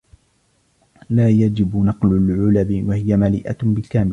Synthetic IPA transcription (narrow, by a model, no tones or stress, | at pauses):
laːjad͡ʒɪbnɑqlʊlʕʊlabɪwahɪjamalḭːʔabɪlkaːmɪ